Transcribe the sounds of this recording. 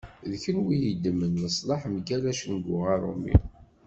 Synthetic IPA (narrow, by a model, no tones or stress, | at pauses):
ðçənwijəd̪ːəmːənːəsˤlɑħmɡælæʃənɡʷʊʁæɾˤo̰mḭ